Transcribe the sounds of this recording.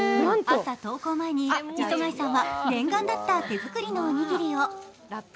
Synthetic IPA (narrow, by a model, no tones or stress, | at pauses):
asat̪o̞ːko̞ːmaeɲ̟iisoŋaisãɰ̃βaɡ̪ẽ̞ŋɡãnd̪at̪ːat̪e̞zɨkɯ̟ɾʲino̞ːɲ̟iɡʲiɾʲijo